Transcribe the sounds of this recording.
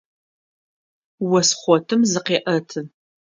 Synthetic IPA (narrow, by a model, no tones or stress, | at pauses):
wɐsχʷɔtʰɨmzɨqeːʔɐtʰɨn